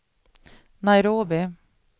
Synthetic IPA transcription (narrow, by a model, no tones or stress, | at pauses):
naɪɾoːbɪ